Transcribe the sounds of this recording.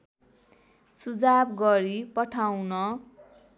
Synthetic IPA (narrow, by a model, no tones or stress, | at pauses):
sud͡zabɡʌɾipʌʈʰawnʌ